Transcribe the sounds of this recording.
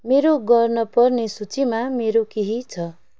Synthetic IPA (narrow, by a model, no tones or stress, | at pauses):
meɾoɡʌrnʌpʌrnesut͡simameɾokeɦit͡sʰʌ